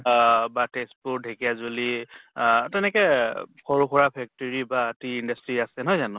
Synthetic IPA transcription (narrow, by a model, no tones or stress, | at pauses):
batespudʱekijazoli | tɛnɛkɛxʰɔɹuxʰɔɹapʰɛk̚tɔɹibatiːndastɹiasɛnɔjzanʊ̃